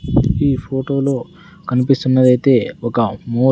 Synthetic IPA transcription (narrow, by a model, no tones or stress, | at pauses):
iːpʰoːʈo̞ːlo̞ː | kɐnipist̪unːɐd̪ɐjt̪e̞ːɔkɐmuː